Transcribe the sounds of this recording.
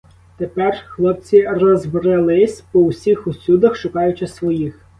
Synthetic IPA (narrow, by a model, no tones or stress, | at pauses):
t̪epɛrxlˠɔpt͡sʲirɔzʋɾɪlˠɪsʲpɔwʊsʲixʊsʲud̪ɐxʃʊkɑjʊt͡ʃɪsʋɔjix